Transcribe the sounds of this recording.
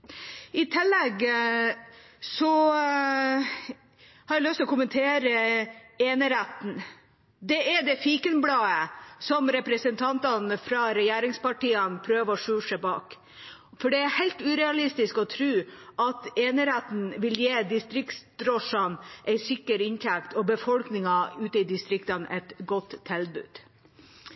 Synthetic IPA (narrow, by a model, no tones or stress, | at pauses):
ɪt̪ʰɪlːɛɡ | sɔ | hɑɾælœst̪ɛlɔkʰʊmənt̪ʰeːɾəeːnəɾæt̪n̩ | d̪ɛɛɖ̪ɛfiːkənblɑːəsɔmɾɛpɾəsənt̪ʰɑnt̪ɑnəfɾɑɾɛjeːɾɪŋspɑʈiːənpʰɾøːʋɔʂʉːʂəbɑ̰ːk | fɔɖɛæɾhæɪlt̪ʉːɾɛɑlɪst̪ɪskɔt̪ʰɾʉːʔɑt̪eːnəɾæt̪n̩ʋɪljeːd̪ɪst̪ɾɪkt̪sd̪ɾɔʂɑnʔɛɪsɪkːəɾɪnt̪ʰækt̪ɔbəfɔlknɪŋɑʉːt̪əɪd̪ɪst̪ɾɪkt̪ɑnɛ̰t̪ɡɔt̪ʰːɛld̪̚bʉ̰ːd̪̥